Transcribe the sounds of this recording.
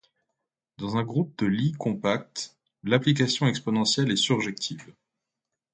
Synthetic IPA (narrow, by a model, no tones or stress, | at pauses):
d̪ɑ̃zɛ̃ɡʁup̚d̪əlikɔ̃pak̚t̪ | laplik̬asjɔ̃ɛkspɔnɑ̃sjɛlɛsyʁʒɛk̚t̪ʰivl